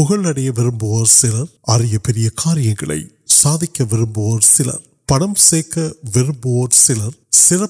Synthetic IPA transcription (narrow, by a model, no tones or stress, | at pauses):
ʊɣɐɭɐɽɐjɐʋɪɾɯmbɯʋɐɾsɪlɐɾʔɐɾɪjɐpɛɾɪjɐkʰaːɾɪjɐŋɡɐɭɐ̰ɪ | saːðɪkʲːɐʋɪɾɯmboʋɐɾsɪlɐ̰ɾ | pɐɽɐmseːkːɐʋɪɾɯmboʋɐɾsɪlɐɾsɪrɐ